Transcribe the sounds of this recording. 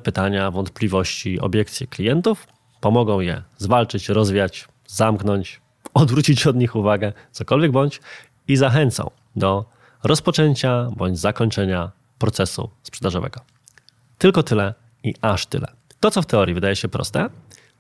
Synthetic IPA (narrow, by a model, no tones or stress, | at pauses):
pɘt̪aɲavɔnt̪̚plʲivɔɕt͡ɕiɔ̰bʲjɛkt̪sʲjiklʲijɛnt̪uf | pɔmɔɡɔ̃w̃jɛ̰zvalt͡ʂɘt͡ɕɾɔzvʲjat͡ɕ | zamknɔɲt͡ɕ | ɔd̪vɾut͡ɕit͡ɕɔd̪ɲixuvaɡɛt̪sɔkɔlvʲjɛɡ̚bɔɲt͡ɕ | izaxɛnt̪sã̰w̃ | d̪ɔ | ɾɔspɔt͡ʂɛɲt͡ɕabɔɲd͡ʑzakɔɲt͡ʂɛɲa | pɾɔt̪sɛsṵspʂɛd̪aʐɔvɛ̰ɡɔ | t̪ɘlkɔt̪ɘlɛ | iʔaʂt̪ɘ̰lɛ̰ | t̪ɔt̪ɔft̪ɛɔɾʲjivɘd̪ajɛɕɛpɾɔ̰st̪ɛ